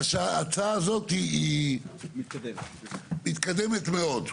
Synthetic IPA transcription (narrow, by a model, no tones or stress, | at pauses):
ʃaat͡saazot̪ii | mit̪kad̪emet̪meo̞d̪